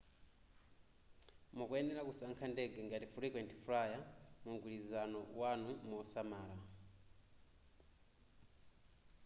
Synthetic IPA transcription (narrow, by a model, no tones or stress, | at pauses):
mɔkuɛndɛɾakusaŋkʰandɛɡɛŋɡatifuɾikwɛnti̥fuɾajamuŋɡwilizanɔwanumɔsamaːla